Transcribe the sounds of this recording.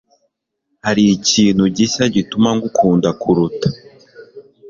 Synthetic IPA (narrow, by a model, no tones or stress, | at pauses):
haɾiːciːnhuɟiʃaɟitumaŋɡukʰuːndakʰuɾutḁ